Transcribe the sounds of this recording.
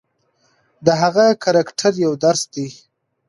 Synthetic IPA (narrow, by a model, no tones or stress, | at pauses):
d̪əɦaɣakʰaɾakʈʰaɾjawd̪aɾsd̪i